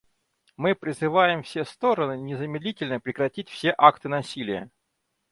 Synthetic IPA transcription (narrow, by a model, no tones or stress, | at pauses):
mɨpɾʲɪzɨvajɪmfsʲest̪o̞ɾənɨnʲɪzəmʲɪd̪lʲitʲɪlʲnəpɾʲɪkɾɐtʲitʲfsʲeʔakt̪ɨnɐsʲilʲɪjə̰